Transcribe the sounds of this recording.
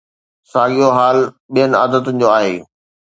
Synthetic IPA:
saːɠijoɦaːl | ɓijənɪa̰ːd̪ət̪ʊnɪ̆d͡ʑoːaːɦḛː

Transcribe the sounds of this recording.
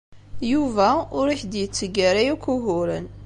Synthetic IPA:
juvæʊɾiçd̪jət͡sːəɡæɾæjukuɦʊɾən

